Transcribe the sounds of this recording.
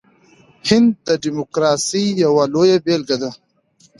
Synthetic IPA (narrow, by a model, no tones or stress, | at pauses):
hɪnd̪̚d̪ɐɖimokɾaːsijawalojabeːlɡad̪a